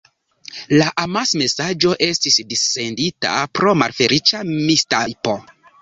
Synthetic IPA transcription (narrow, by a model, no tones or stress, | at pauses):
laʔamasme̞sad͡ʒo̞ʔe̞stisdise̞ndita̰pɾo̞malfe̞ɾit͡ʃamistajpo